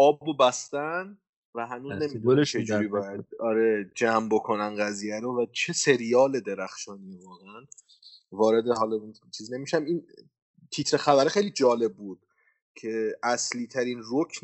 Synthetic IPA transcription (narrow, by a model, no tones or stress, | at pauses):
ɒːbbobæst̪æn | væɦænuːzne̞mid̪unt͡ʃʰed͡ʒuːɾiːbɒːjæd̪̚ɒɾed͡ʒæmbokʰo̞nænɢæziːjæɾovæt͡ʃʰe̞se̞ɾijɒːled̪e̞ɾæxʃɒːnikonæn | vɒːɾe̞d̪eɦɒlɒint͡ʃʰiːzine̞miʃæmin | t̪ʰit̪ʰɾe̞xæbæɾixejlid͡ʒɒːle̞b̚buːd̪̥̚ | cʰe̞ʔæsliːt̪ʰæɾinrokʰn